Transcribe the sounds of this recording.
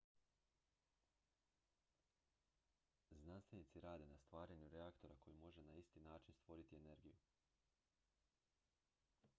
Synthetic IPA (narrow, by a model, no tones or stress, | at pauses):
znanst̪ʋe̞nit̪siɾaːd̪e̞nast̪ʋaːɾaɲuɾeakt̪o̞ɾako̞jimo̞ʒe̞naist̪inaːt͡ʃinst̪ʋo̞ɾit̪ie̞ne̞ɾɡiju